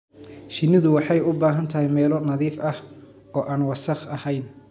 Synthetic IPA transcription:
ʃɪnːɪðʊwɑħɑjʊbaːɦɐnt̪ʰɐhɛjmɛːlɔnɐðiːfʔɐh | ɔːʔaːnwɑsɐχɐhɛjn

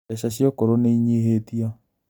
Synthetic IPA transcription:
ɛɕaɕjokoɾoneiɲeɦetia

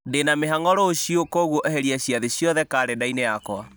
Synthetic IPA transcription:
denameɦaŋɔɾoːɕiokoɣwoʔeɦeɾiaɕjaðeɕjɔðɛkaːɾedaineakwa

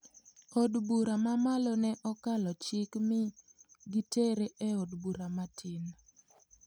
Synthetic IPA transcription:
odbuɾamamalonɛʔɔkalɔt͡ʃɪkmɪɡiteɾeʔeodbuɾamatʰin

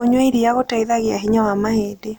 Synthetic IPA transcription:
oɲwaiɾiaɣotaiðaɣjaɦiɲawamahede

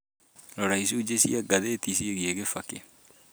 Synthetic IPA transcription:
ɾɔɾaisuːd͡ʒesḭaɡaðeːtisieɣieɣefake

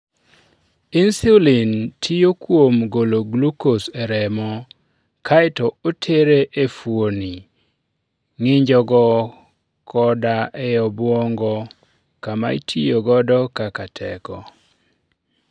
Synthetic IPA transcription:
insilintʰijokwomɡoloɡlukoseɾɛmɔ | kʰaɛtɔotʰeɾeʔefwoni | ŋɪɲd͡ʒɔɡɔ | kʰɔdaʔɛjɔbwɔŋɡɔ | kama̰itʰijoɡɔdɔkakatʰɛ̰kɔ

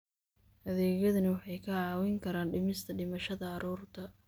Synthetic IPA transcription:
hɐðɛːɣjɐðɐnɪwɑħɑjkʰɐʕɑːwɛŋkʰɐɾaːnɖɪmɪst̪ʰɐɖɪmɐʃɐðɐːɾɔːrt̪ʰɐ

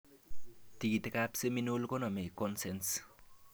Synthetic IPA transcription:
t̪iɡit̪ekapseminulkonʌmekɔnsens

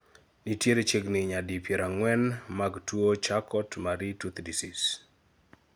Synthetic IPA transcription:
nitjeɾet͡ʃeɡnɪɲadipjeɾaŋwɛnmaɡtwot͡ʃakɔtmaɾitut̪disis

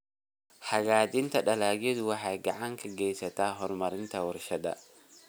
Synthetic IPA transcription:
ħɐɣaːd͡ʒɪnt̪ʰɐɗɐlaːɡɛd̪wɑħɑjɡɐʕaŋkʰɐɡɛjsɐt̪ʰaːɦɔɾmɐɾɪnt̪ʰɐwɔɾʃɐd̪ɐ̰

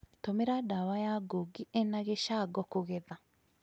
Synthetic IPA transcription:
tomeɾadawajaɡoɡienaɣeʃaɡɔkoɣeða

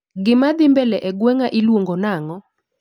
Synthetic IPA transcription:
ɡɪmad̪ɪmbɛlɛʔɛɡwɛŋaʔɪlwoŋɡonaŋɔ

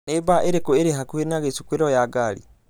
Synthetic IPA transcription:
nebaʔeɾekoeɾeɦakuhenaɣesukweɾɔjaɡalḭ

